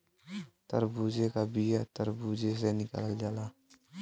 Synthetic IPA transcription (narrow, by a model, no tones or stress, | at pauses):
t̪ə̰ɾbud͡ʒekabijat̪əɾbud͡ʒes̬enɪka̰ːld͡ʒaːla